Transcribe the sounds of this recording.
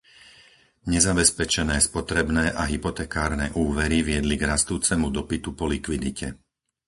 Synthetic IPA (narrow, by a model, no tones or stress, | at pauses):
ɲɛzabɛspɛt͡ʃɛnɛːspɔt̪ɾɛbnɛːʔaɦipɔt̪ɛːkaːɾnɛːʔuːʋɛɾiʋɪɛd̪liɡɾast̪uːt͡sɛmud̪ɔpit̪upɔlikʋid̪icʰɛ